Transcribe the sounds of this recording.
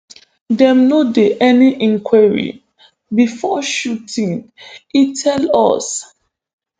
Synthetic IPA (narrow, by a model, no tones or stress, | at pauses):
dɛ̃mnodeʔɛniʔĩŋkʰwɛɹḭ | bifɔʃutʰĩŋitʰɛlɔ̰s